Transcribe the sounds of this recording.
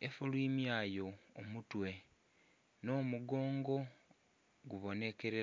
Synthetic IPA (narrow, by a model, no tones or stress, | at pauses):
efulwiːmjaːjo̞ːmutwe̞ | no̞ːmuɡo̞ːŋɡo̞ | ɡuβo̞ne̞ke̞ɾe